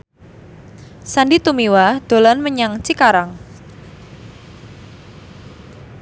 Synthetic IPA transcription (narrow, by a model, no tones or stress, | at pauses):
sandit̪umiwad̪̥o̤lanməɲaŋt͡ʃikaɾaŋ